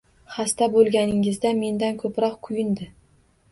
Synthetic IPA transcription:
χast̪abolˠɡʲanɪŋɪzd̪ame̞nd̪ankʰɵpɾɒqkʰʊjɪnd̪ɪ

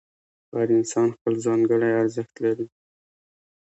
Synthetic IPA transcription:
baɾɪnsɑnxpəlzɑŋɡəɽajaɾzəxt̪laɾi

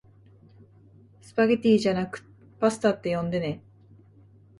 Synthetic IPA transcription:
sɨ̥paɡet̪ʲiːʑanakɯ̟̥ | pasɨ̥t̪aːt̪ːe̞jõ̞nd̪e̞ne

